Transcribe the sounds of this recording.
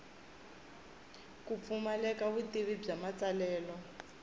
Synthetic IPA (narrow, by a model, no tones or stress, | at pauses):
kup̪fumalɛkaβutiβib͡ʐamat͡salɛːlɔ